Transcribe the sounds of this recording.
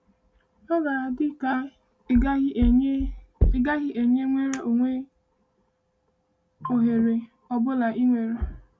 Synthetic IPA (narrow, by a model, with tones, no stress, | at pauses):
ɔ˦ɡa˨a˨dɪ˦ka˦ | ɪ˦ɡa˦ɣɪ˦ʔe˨ɲe˦ŋʷe˦ɾe˦ʔo˨ŋʷe˦ | o˨ɦe˨ɾe˨ | ɔ˨bʊ˦la˨ʔi˦ŋʷe˨ɾe˨